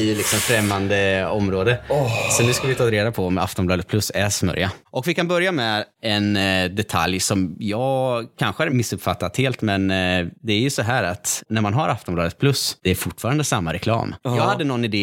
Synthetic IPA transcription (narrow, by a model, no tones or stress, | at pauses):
ɪjɵlɪksɔmfɾɛmːand̪əɔmɾoːd̪əsɔd̪ɪskalvɪt̪ʰɑːɾeːd̪apʰɔɔma̰ft̪ɔnmblɑːd̪ət̪̚pʰlɵsːæsmœ̰ɾjaʔɔkvɪkʰanbœɾjamɛɛnd̪ɛt̪ʰa̰ljsɔmjɑːɡkʰanɧəæɾmɪsːɵpfat̪ːat̪heːlt̪mɛnd̪ɛæɾjɵsɔɦæːɾat̪næɾmanɦaɾʔaft̪ɔmblɑːd̪ət̪̚pʰlɵsd̪̥ɛːɾfʊʈːfɑːɾand̪əsamːaɾɛkʰlɑ̰ːmjɑːɡhad̪ːənɔnːɪd̪eː